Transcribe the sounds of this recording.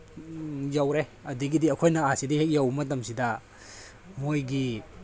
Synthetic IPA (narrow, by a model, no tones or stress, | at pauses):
jawɾeɐdiɡidiɐkʰojnɐasidihek̚jawmɐt̬ɐmsidɐ | mojɡi